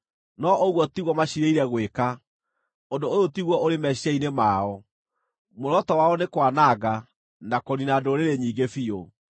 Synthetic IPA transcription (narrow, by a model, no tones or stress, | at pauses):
nɔʔoɣwɔtiɣwɔmaɕiɾeiɾɛɣweka | ondooðotiɣwɔoɾemɛɕiainemaːɔ | moɾɔtɔwaɔnekwanaɣa | nakɔninadoɾeɾeɲiːɡefio